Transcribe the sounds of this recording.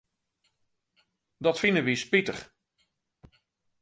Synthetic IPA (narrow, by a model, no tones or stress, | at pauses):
dɔtfinəʋispitəχ